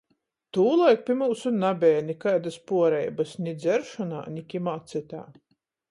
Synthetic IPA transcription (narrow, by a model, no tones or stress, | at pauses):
t̪uːlˠajk̚pʲimuːsunabʲɛːnʲikajd̪aspuɔɾɛjbasnʲid̪zʲɛɾʃɔna̰ːnʲikʲimaːt̪sɨt̪a̰ː